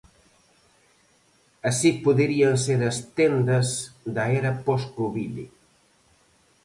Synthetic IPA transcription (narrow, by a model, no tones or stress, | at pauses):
ɐsipoðeɾiɐnseɾɐst̪end̪ɐsd̪ɐɛɾɐpɔskoβilḭ